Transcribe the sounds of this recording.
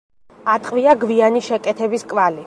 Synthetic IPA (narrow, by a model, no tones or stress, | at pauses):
at̪ʼqʼviaɡvianiʃɛkʼɛt̪ʰɛbiskʼvali